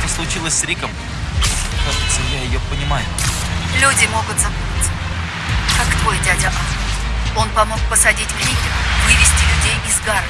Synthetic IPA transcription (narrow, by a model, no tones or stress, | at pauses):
t̪oslˠʊt͡ɕilˠəsʲsɾʲikəm | kɐʐɨt̪səmjajɪjopənʲɪmajʊ | lʲudʲɪmo̞ɡʊt̪zɐput̪ʲət̪tʲə | kakt̪vojdʲadʲɪʔaf | o̞npɐmo̞k̚pəsɐdʲitʲknʲiɡʲɪvɨvʲɪsʲtʲɪlʲʉdʲejɪzɡaɾ